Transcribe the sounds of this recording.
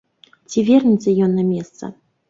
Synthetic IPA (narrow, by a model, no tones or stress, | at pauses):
t͡sʲivʲɛrnʲit̪sɨjɔnːamʲɛst̪sɐ̰